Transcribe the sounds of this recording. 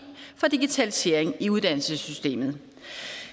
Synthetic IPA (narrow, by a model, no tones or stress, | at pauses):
fɒ̽d̥iɡ̥it͡sʰælise̝̰ːɐ̰eŋiuðˠd̥ænl̩səsysd̥e̝̰ːmð̞̩ˠ